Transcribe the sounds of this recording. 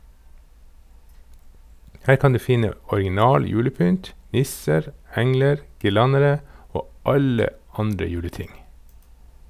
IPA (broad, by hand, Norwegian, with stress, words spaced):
ˈhæːɾ ˈkɑn ˈdʉː ˈfɪnə ɔɾɡɪˈnɑːl ˈjʉːləˌpʏnt ˈnɪsəɾ ˈɛŋləɾ ɡɪˈlɑnəɾə ˈoː ˈɑlə ˈɑndɾə ˈjʉːləˌtɪŋ